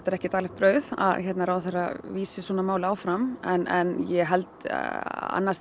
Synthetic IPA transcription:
t̪aɾɛhcɪt̪aːlɛxt̪̚pɾœːɥθa̰ðçɛt̪naɾawθaraviːsɪswɔːnamaːwlaːwfɾamɛnɛnjɛɦɛlt̪ | a̰nːas

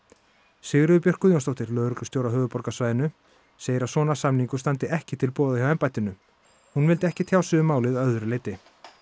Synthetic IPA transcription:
sɪɣɾʏðʏpjœr̥kʏðjownst̪owht̪ɪɾlœːðɾʏklʏ̥st̪jowɾaɦœːvʏpɔɾkasvajðɪnʏ | seːjɪɾasɔːnasamniŋkʏst̪ant̪ɪɛhcɪt̪ʰɪlpɔːðajawɛmpajt̪ɪnʏ | hunvɪlt̪ɪɛhcɪt̪ʰjaːwsʏʏmaːwlɪðaœðʏɾʏleːjt̪ɪ

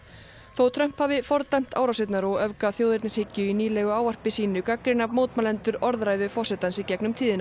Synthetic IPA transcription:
θowt̪ʰɾœm̥phaːvɪfɔɾt̪ajm̥t̪ʰaːwɾawset̪naɾɔɣœvkaθjoːwðɪɾt̪nɪshecːʏiniːlɛɣʏaːwvar̥pɪsiːnʏkakɾɪnamowt̪malɛnt̪ʏɾɔɾðɾaːjðʏfɔr̥sɛt̪ansicɛknʏmt̪ʰiːðɪna

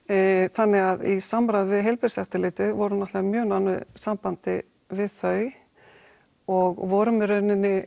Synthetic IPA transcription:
θanːɪɣaðisamɾaðvɪðɦejlpɪɾsɛft̪ɪlɪːt̪ɪðvɔɾʏnɔt̪amjœːɣnanʏsampant̪ɪ | vɪðθœɥ | ɔɣvɔɾʏmɪɾœɥnɪnːɪ

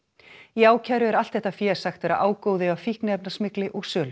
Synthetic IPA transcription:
iaːwcʰajɾʏɛɾal̥t̪θɛht̪afjɛːɾ̥saxt̪vɛːɾa̰ʔaːwkoːwðɪavfihknɪɛp̚nasmɪklɪʔɔɣsœːlʏ

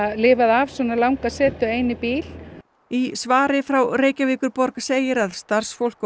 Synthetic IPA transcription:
lɪːvaðavsɔnalawŋkasɛːt̪ʏejnɪpiːl | isvaːɾɪfɾawreːjcaviːkʏɾpɔɾkḁseːjɪɾaðst̪aɾ̥sfowl̥k

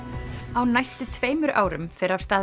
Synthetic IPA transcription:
awnajst̪ʏt̪ʰv̥eːjmʏɾʔa̰ːwɾʏ̰mfɪɾaɾ̥st̪aː

